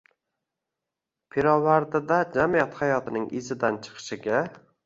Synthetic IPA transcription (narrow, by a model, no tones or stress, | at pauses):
pʰeɾɒvaɾd̪ɪd̪ad͡ʒamijat̪hajɒt̪ʰɪnɪŋʔɪ̰zɪd̪ant͡ʃʰɨ̥qʰɨ̥ʃɪɡʲa